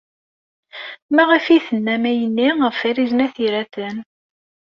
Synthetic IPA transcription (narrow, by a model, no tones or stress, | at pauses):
mæʁəfiθənːæmæjənːiʁəfæɾiznæθiɾæθən